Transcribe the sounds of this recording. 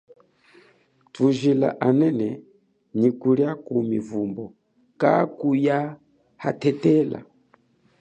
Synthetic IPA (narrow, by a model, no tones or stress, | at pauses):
tuʒila̰ʔanɛnɛ | ɲikuɾjakumivumbɔ | ka̰kuja | hatɛtɛla̰